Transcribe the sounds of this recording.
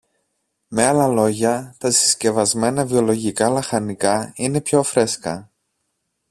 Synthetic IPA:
me̞ɐlɐlo̞ʝɐt̪ɐsi̥sce̞vɐzme̞nɐvio̞lo̞ʝikɐlɐxɐnikɐine̞pço̞fɾe̞skɐ

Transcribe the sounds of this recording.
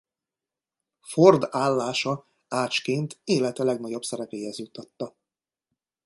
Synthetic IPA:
ford̪aːlːaːʃɒ | aːt͡ʃkeːnt̪eːlɛt̪ɛlɛɡnɒɟo̞bsɛɾɛpeːɦɛzjut̪ːɒt̪ːɒ

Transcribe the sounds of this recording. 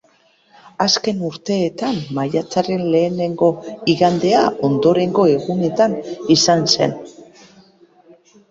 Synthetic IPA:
aske̞nuɾt̪e̞ːt̪amːajat͡saɾe̞nle̞ːne̞ŋɡo̞iɣand̪e̞ao̞nd̪o̞ɾe̞ŋɡo̞e̞ɣune̞t̪anisanse̞̰n

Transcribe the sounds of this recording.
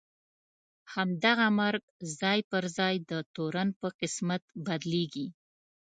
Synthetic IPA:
hamd̪aɣamaɾɡzɑjpəɾzɑjd̪ət̪oɾanpəqɪsmat̪bad̪leɡi

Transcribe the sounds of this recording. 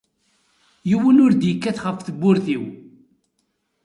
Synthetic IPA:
jiwənʊɾd̪jəkːæθχəfθəbːʊɾθiw

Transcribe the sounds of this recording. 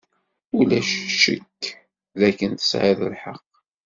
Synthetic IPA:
ulæʃːə̰kː | ðækːənt̪ə̥sʕaðə̰lħəq

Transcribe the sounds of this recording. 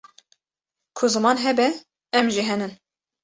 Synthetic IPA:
kʰʊzɨmɑːnɦɛbɛ | ɛmʒiɦɛnɨn

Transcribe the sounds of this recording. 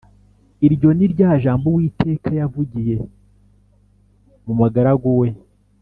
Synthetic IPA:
iɾɟo̞niɾɟaːʒaːmbowiːtʰe̞ːkajavuɟije̞ | mumaɡaɾaɡowe̞

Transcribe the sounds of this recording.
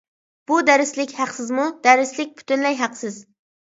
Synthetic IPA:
b̥ud̪æɾɪslɪkʲhæqsɪzmud̪̥æɾɪslɪk̚ʲpʰy̥t̪ʰynlɛjɦæqsɪz

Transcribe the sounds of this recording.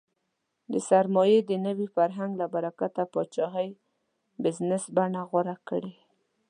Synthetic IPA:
d̪əsaɾmɔjed̪ənəwifaɾɦaŋɡlabaɾakat̪apət͡ʃɑɦaj | bɪznɪsbaɳaɣwaɾakəɽe

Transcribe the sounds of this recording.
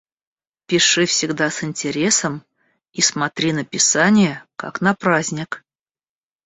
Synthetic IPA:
pʲɪʂɨfsʲɪɡd̪asɨnʲtʲɪɾʲe̞səm | ismɐt̪ɾʲinəpʲɪsanʲɪjəka̰knɐpɾazʲnʲɪk

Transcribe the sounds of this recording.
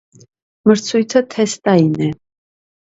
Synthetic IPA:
məɾt͡sʰujt̪ʰət̪ʰɛst̪ʼainɛ

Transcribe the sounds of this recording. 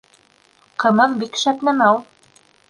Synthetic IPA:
qɤ̆mɤðbikʃæp̪næmæw

